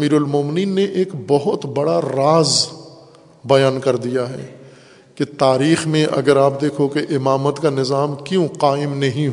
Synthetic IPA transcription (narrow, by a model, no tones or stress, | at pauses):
miːɾʊlmoːmɪniːnːeʔeːkbɐɦʊt̪bɐɽaɾaːz | bɐjaːnkɐɾd̪ijaɦɛ̰ː | ket̪aːɾiːxmẽʔɐ̰ɡəɾaːp̚d̪eːkʰokeʔɪmaːmət̪kanɪzaːmkjõqaːɪmnɐɦĩɦ